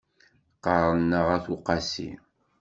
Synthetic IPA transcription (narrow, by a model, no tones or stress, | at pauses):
qəɾˤənːəʁæθuqɑsḭ